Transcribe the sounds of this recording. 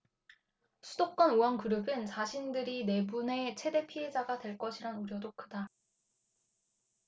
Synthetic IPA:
sʰudok̚k͈ʌnuankɯɾɯbɯnt͡ɕaɕʰindɯɾine̞bune̞t͡ɕʰe̞de̞pʰie̞d͡ʑaɡadwe̞ɭk͈ʌɕʰiɾanuɾjʌdok͈ɯda

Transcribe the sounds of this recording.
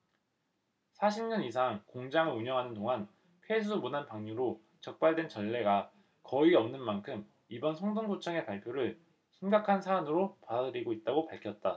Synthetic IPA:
sʰaɕʰimɲʌnis̬ʰaŋkoŋd͡ʑaŋɯɭuɲʌŋɦanɯndoŋɦan | pʰwed͡ʑumunanpaŋɲuɾo | t͡ɕʌk̚p͈aɭdwe̞nt͡ɕʌɭːe̞ɡa | kʌiʌmnɯnmankʰɯm | ibʌnsʰʌŋdoŋɡot͡ɕʰʌŋe̞paɭpʰjoɾɯɭ | ɕʰimɡakʰansʰaːnɯɾopadadɯɾiɡoit̚t͈aɡopaɭkʰjʌt̚t͈a

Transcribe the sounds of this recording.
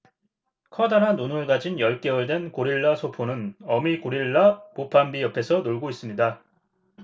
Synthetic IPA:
kʰʌdanɦanːonɯɭɡad͡ʑinjʌɭk͈eɯɭdwe̞nkoɾiɭːasʰopʰonɯnʌmikoɾiɭːapopʰambiʌpʰe̞sʰʌnoɭɡois͈ɯmɲida

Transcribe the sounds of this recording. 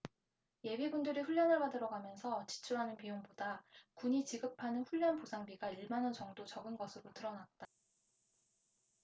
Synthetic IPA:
je̞bibundɯɾiɸuʎːjʌnɦɯɭɡadɯɾʌɡamjʌnsʰʌt͡ɕi̥t͡ɕʰuɾɦanɯnpijoŋbodakuɲit͡ɕiɡɯpʰanɯnɸuʎːʌnposʰaŋbiɡaiɭmanʌnt͡ɕʌŋdot͡ɕʌɡɯnɡʌsʰɯɾotɯɾʌnat̚t͈a

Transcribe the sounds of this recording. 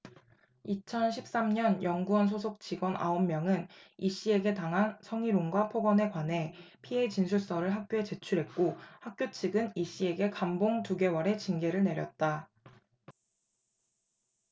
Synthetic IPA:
it͡ɕʰʌnɕʰip̚s͈amɲʌnjʌŋɡuʌnsʰosʰok̚t͡ɕiɡwʌna̰omːjʌŋɯniɕ͈ie̞ɡe̞taŋɦansʰʌŋiɾoŋɡwapʰoɡʌne̞kwane̞ | pʰie̞t͡ɕinsʰus͈ʌɾɯɭɦak̚k͈joe̞t͡ɕe̞t͡ɕʰuɾɦe̞t̚k͈ohak̚k͈jot͡ɕʰiɡɯniɕ͈ie̞ɡe̞kamboŋtuɡe̞wʌɾe̞t͡ɕinɡe̞ɾɯɭne̞ɾjʌt̚t͈a

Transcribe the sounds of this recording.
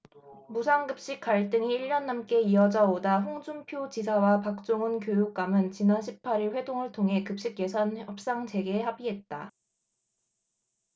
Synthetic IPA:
musʰaŋɡɯp̚ɕ͈ik͈̚ːaɭt͈ɯŋiːɭːʌnːamk͈e̞iʌd͡ʑaodaɸoŋd͡ʑumpʰjot͡ɕisʰawapak̚t͡ɕ͈oŋɯnkjojuk̚k͈amɯnt͡ɕinanɕʰi̥p̚ʰaɾiɭɸwe̞doŋɯɭtʰoŋɦe̞kɯp̚ɕ͈ik̚je̞sʰʌnʌp̚s͈aŋd͡ʑe̞ɡe̞habiɦet̚t͈a

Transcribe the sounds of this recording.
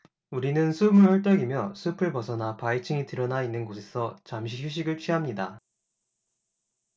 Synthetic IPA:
uɾinɯnsʰubɯɭhʌɭt͈ʌɡimjʌsʰupʰɯɭpʌsʰʌnapait͡ɕʰiŋitɯɾʌnainːɯnɡosʰesʰʌt͡ɕamɕ̬ʰiçuɕ̬ʰiɡɯɭt͡ɕʰɥiɦamɲida

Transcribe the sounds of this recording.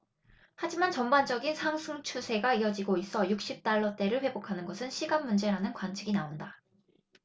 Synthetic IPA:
had͡ʑimant͡ɕʌmband͡ʑʌɡinsʰaŋsʰuŋt͡ɕʰusʰe̞ɡaiʌd͡ʑiɡois͈ʌjuk̚ɕ͈ip̚t͈aɭːʌt͈e̞ɾɯɭɸwe̞bokʰanɯnɡʌsʰɯnɕʰiɡanmːund͡ʑe̞ɾanɯnkwant͡ɕʰiɡinaonda

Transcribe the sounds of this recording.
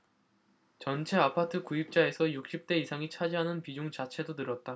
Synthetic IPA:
t͡ɕʌnt͡ɕʰe̞apʰatʰɯkuip̚t͡ɕ͈ae̞sʰʌjuk̚ɕ͈ip̚t͈e̞isʰaŋit͡ɕʰad͡ʑiɦanɯnpid͡ʑuŋt͡ɕat͡ɕʰe̞donɯɾʌt̚t͈a

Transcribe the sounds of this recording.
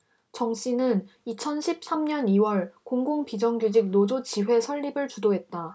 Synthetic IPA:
t͡ɕʌŋɕ͈inɯnit͡ɕʰʌnɕʰip̚s͈amɲʌniwʌɭkoŋɡoŋpid͡ʑʌŋɡud͡ʑik̚nod͡ʑot͡ɕiɸwe̞sʰʌɭːibɯɭt͡ɕudoɦe̞t̚t͈a

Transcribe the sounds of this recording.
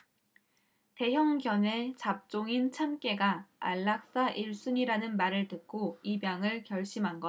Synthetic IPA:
te̞jʌŋɡjʌne̞t͡ɕap̚t͡ɕ͈oŋint͡ɕʰamk͈e̞ɡaa̰ɭːak̚s͈aʔiɭs͈uɲiɾanɯnmaɾɯɭtɯk̚k͈oibjaŋɯɭkjʌɭɕ͈imɦanɡʌ

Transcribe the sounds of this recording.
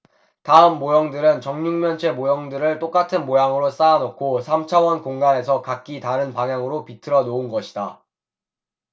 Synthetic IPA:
taɯmːojʌŋdɯɾɯnt͡ɕʌŋɲuŋmjʌnt͡ɕʰe̞mojʌŋdɯɾɯɭt͈ok͈atʰɯnmojaŋɯɾos͈aːnokʰosʰamt͡ɕʰawʌnkoŋɡane̞sʰʌkak͈itaɾɯnpaŋjaŋɯɾopitʰɯɾʌnounɡʌɕʰida

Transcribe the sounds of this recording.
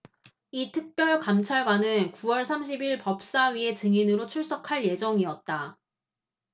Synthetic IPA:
itʰɯk̚p͈jʌɭkamt͡ɕʰaɭɡwanɯnkuwʌɭsʰamɕ̬ʰibiɭpʌp̚s͈aɥie̞t͡ɕɯŋinɯɾot͡ɕʰuɭs͈ʌkʰaɭje̞d͡ʑʌŋiʌt̚t͈a

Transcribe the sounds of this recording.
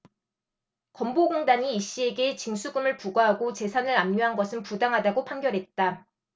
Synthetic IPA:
kʌmboɡoŋdaɲiːɕ͈ie̞ɡe̞t͡ɕiŋsʰuɡɯmɯɭpuɡaɦaɡot͡ɕe̞sʰanɯɾamɲoɦanɡʌsʰɯnpudaŋɦadaɡopʰaŋɡjʌɾɦe̞t̚t͈a

